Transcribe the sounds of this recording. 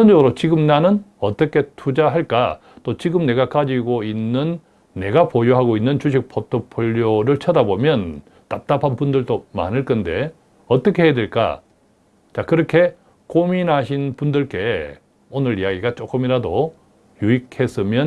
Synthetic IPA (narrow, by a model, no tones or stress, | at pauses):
ʌnd͡ʑʌɡɯɾot͡ɕiɡɯmnanɯnʌt͈ʌkʰe̞tʰud͡ʑaɦaɭk͈a̰ | t͈ot͡ɕiɡɯmne̞ɡakad͡ʑiɡoinːɯnː | e̞ɡapojoɦaɡoinːɯnt͡ɕuɕ̬ʰik̚pʰotʰopʰɯʎːoɾɯɭt͡ɕʰʌdabomjʌn | t͈ap̚t͈apʰanpundɯɭt͈oma̰nɯɭk͈ɯnde̞ | ʌt͈ʌkʰe̞ɦeedeɭk͈a̰ | t͡ɕakɯɾʌkʰe̞ | kominɦaɕʰinpundɯɭk͈e̞ | onɯɾijaɡiɡat͡ɕ͈ok͈ɯmiɾado | juik̚ʰhe̞s͈ɯmjʌn